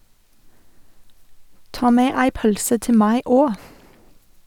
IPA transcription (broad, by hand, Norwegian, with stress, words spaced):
ˈtɑː ˈmeː ˈæɪ ˈpœlsə ˈtɪ ˈmæɪ ˈoː